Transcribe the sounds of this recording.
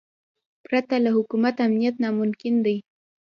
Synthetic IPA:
pɾat̪alahʊkumat̪amnijat̪namʊmkɪnd̪aj

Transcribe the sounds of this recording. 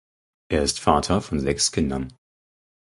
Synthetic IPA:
ʔeːɐɪstfaːtʰɐfɔnzɛkskʰɪndɐn

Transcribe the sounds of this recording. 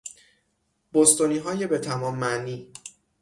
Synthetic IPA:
b̥ost̪oniːɦɒːje̞be̞t̪ʰæmɒːmːæniː

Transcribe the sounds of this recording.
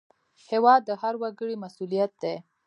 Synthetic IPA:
hewɑd̪ːəhaɾwaɡəɽimasulijat̪̚d̪e

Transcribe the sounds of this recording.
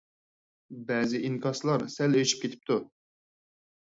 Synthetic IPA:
bɛːzɪʔiŋkʰɑslˠɑɾsɛløʃi̥p̚kʲet̪ʰɪ̥p̚t̪ʰu

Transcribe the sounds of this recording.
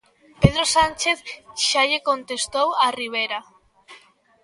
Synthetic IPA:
peðɾosant͡ʃeθʃaʎekont̪est̪owɐriβ̞eɾa

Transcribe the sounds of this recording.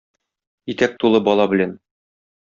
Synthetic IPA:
it̪æk̚t̪ulˠɤbɒlˠɑbɘ̆læn

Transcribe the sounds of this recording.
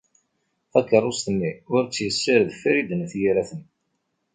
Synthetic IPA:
ækːərˤʊst̪mːiʊɾt͡sːjəsːəɾðfɾid̪ənθjiɾæθən

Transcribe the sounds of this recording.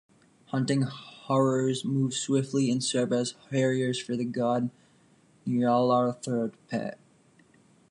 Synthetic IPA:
hʌ̃ntɪ̃ŋhɔɹə˞zmuv̥swɪftˡliɨ̃nsɜ˞vɨz̥ɛɹiə˞z̥fə˞ðɨɡɑdⁿ | niɹɔlˠɑɹθɜ˞d̥̚pʰæ̰t̚

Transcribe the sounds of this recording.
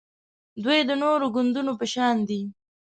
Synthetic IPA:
d̪wujd̪ənoɾoɡʊnd̪unopəʃɑnd̪i

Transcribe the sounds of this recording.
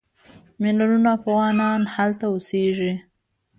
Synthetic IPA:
mɪlaɾunafaɣwɑnɑnhalt̪aoseʒi

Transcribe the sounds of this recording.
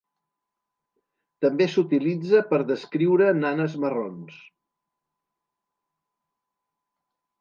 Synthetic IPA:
t̪əmbesut̪ilid͡zəpəɾðəskɾiwɾənanəzmərons

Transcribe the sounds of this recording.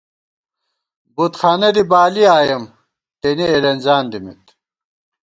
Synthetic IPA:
but̪xaːnɐd̪ibaːliaːjɐm | t̪enielɐnzaːnd̪imḭt̪

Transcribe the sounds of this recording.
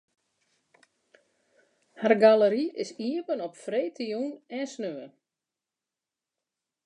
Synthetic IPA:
harɡaləɾiɪsiəpənɔpfreːtʰijunɛnsnøən

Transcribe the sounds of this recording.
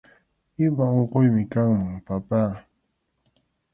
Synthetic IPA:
ɪmaoɴqojmɪkaŋmaŋpapaː

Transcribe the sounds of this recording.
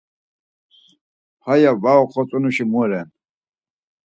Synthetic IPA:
pʰajavaɔqʰɔt͡sʼunuʃimuɾɛn

